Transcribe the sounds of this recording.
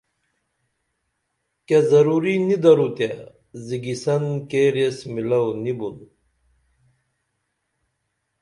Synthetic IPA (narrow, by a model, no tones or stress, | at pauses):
kezɐɾuɾinid̪ɐɾut̪a | ziɡisɐnkeːɾesmilɐwnibun